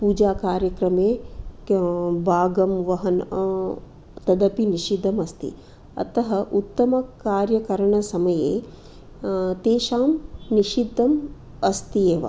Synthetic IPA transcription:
puːd͡ʒaːkaːɾjɐkɾɐmeː | bʱaːɡɐmʋɐɦɐn | t̪ɐd̪ɐpiniʃid̪ʱːɐmɐst̪ḭ | ɐ̰t̪ɐɦɐʔut̪ːɐmɐkaːɾjɐkɐɾɐɳɐsɐmɐjeː | t̪eːʃaːmniʃid̪ʱːɐm | ɐst̪ijeːʋɐ̰

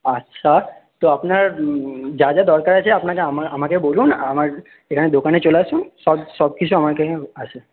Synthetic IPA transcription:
ətːʃʰat̪oapna | d͡ʒad͡ʒad̪ɔɾkəɾjat͡ʃʰeapnakẽmaəmãkẽbolũnamaɾ | ekʰaned̪okanet͡ʃolaʃũsɔbsɔb̚kiʃũamaɾkẽəʃe

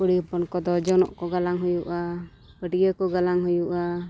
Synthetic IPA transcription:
uɽipɔnkɔd̪ɔd͡ʒɔnɔ̰ʔkɔɡalaŋɦujuʔa | bəɖijəkɔɡalaŋɦujuʔa

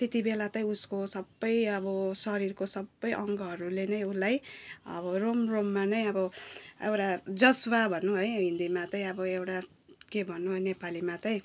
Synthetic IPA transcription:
t̪et̪ibelat̪ʌj̃uskosʌbːʌjʌbʌsʌɾirkosʌbːʌjʔʌŋɡʌɦʌɾulenʌjulajʌ̰bʌromromːanʌj̃ʌbʌḛwʈad͡zʌswabʱʌnːuɦojɦĩnd̪imat͡sʌĩʌbʌewʈa | kebʱʌnːuɦʌjnepalimat͡sʌj̃

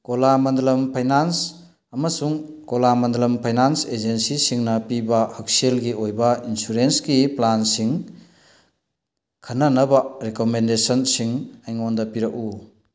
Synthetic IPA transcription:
kolamɐndlɐmpʰajnans | ɐmɐsuŋkolamɐndlɐmpʰajnansed͡ʒensisiŋnɐpibɐhak̚selɡiojbɐinsuɾensɡiplansiŋ | kʰɐnːɐnɐbɐɾekomendesɔnsiŋajŋondɐpiɾɐku

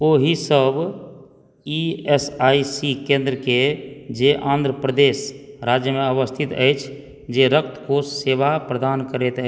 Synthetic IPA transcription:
oɦisəb | iesaisikẽnd̪ɾəked͡ʒeʔãːnd̪ɾəpɾəd̪esɾad͡ʒjəmeəbəst̪ʰit̪ə̰jt͡ʃʰ | d͡ʒeɾək̚t̪kosːeʋapɾəd̪ankəɾɛt̪ə

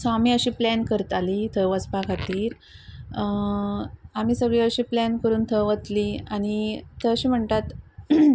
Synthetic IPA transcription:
samiːəɕiːplænkəɾət̪alit̪ʰəʋət͡spakʰat̪iːɾ | am̤iːsəɡɭiəɕiːplænkəɾuːnt̪ʰəʋət̪liañiəəɕiːm̤əɳt̪at̪

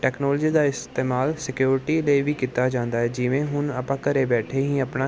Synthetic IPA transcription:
ʈɛːknɔːld͡ʒiːd̪aːɪst̪eːmaːlsɪkjuːɾɪʈiːləiʋiːkiːt̪aːd͡ʒãːnd̪aːɦɛːd͡ʒɪʋẽːɦʊnəpãːkəɾeːbɛːʈʰeːɦĩːəpnaː

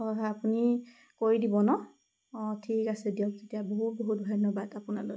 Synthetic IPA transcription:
apuni | koɹidibɔnɔ | tʰikasɛdijɔk̚tetijaboɦut̚boɦut̚bʱanɔbadapunalo̰j

